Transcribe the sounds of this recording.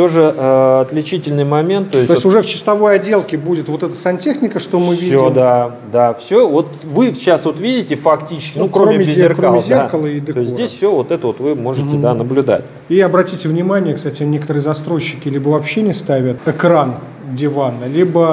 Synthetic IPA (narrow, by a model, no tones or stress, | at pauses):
t̪oʐɨəɐt̪lʲɪt͡ɕitʲɪlʲnɨjmɐmʲent̪ːoɪsʲo̞ɪsʲtʲʊʐɛft͡ɕɪ̥st̪ɐvo̞jɐdʲe̞lˠkʲɪbudʲɪt̪vo̞t̪ɛt̪ə̥samʲtʲe̞xnʲɪkəʂt̪o̞mɨvʲsidʲsʲomd̪a | d̪afsʲovot̪ | vɨɕasvo̞t̪vʲidʲɪtʲɪfɐktʲit͡ɕɪ̥skʲɪnukɾoɾomʲɪɪzʲerkɾomʲzʲerkəlˠəid̪ɨk̪oɪsʲdʲesʲfsʲovot̪ɛt̪əvot̪vɨmo̞ʐɨtʲɪd̪anəblʲʉd̪a̰tʲ | iɐbɾɐtʲitʲɪvnʲɪmanʲɪjəkst̪atʲɪnʲe̞kət̪əɾɨəzɐst̪ɾo̞jɕːɪ̥kʲɪlʲibəvɐpɕːenʲɪst̪avʲət̪ɨkɾan | dʲɪvanːəlʲibə